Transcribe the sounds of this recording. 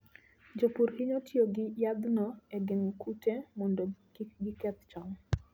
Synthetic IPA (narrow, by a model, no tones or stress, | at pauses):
d͡ʒopuɾhiɲotjoɡɪjad̪nɔeɡɪŋkutemɔndokiɡɪkɛt̪t͡ʃɔŋ